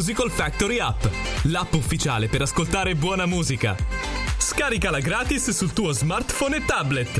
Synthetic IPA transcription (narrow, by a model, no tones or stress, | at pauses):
zikolfak̚t̪oɾiapː | lapːufːit͡ʃa̰ːlepeɾaskolt̪aːɾebwɔːnamuːzika̰ | skaːɾikalaɡɾaːt̪isːult̪uːozmart̪fonet̪ːablet̪